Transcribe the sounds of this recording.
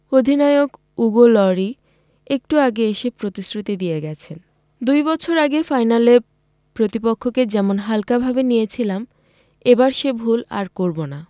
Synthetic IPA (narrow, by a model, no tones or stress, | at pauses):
od̪ʱinaeok | uɡolɔɾi | ek̚ʈuaɡeeʃepɾot̪isɾut̪id̪ijeɡɛt͡ɕʰen | d̪ujbɔt͡ɕʰoɾaɡefajnale | pɾot̪ipokʰːoked͡ʑɛmonɦalkabʱabenijet͡ɕʰilam | ebaɾʃebʱula̰ɾkoɾbona